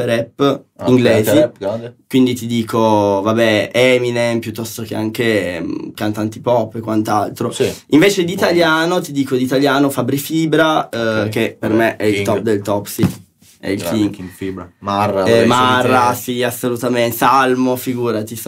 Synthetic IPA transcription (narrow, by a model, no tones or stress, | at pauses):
ɾɛpːiŋɡleːzikwind̪it̪id̪iːkʰovabɛɛminempjut̪ːɔst̪okeaŋkekant̪ant̪ipɔpːekːwant̪alt̪ɾosiɱveːt͡ʃed̪it̪aljaːnot̪id̪iːkod̪it̪aljaːnofabɾifiːbɾakepermeʔɛit̪ɔp̚ːd̪elt̪ɔpsi | ɛ̰ilkiiɾarmarːasiasːolut̪amesalmofiɡuːɾat̪is